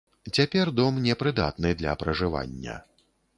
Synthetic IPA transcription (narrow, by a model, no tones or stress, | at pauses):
t͡sʲapʲɛrd̪ɔmnʲɛpɾɨd̪a̰t̪nɨd̪lʲɐ̰pɾɐʐɨva̰nʲːɐ̰